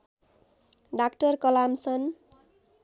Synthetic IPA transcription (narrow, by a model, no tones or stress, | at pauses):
ɖakʈʌrkʌlamsʌn